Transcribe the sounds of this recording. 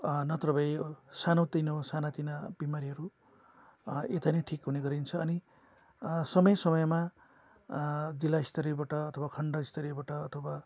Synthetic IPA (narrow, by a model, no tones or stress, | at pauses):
nʌt̪rʌbʌjsanot̪inosanat̪inabimaɾiɦʌɾu | et̪anʌʈʰikɦuneɡʌɾint͡sʰʌːni | sʌmʌjsʌmʌjma | d͡zilːaist̪ʌɾibaʈʌːt̪ʰʌwakʰʌɳɖʌist̪ʰʌɾibaʈʌːt̪ʰʌba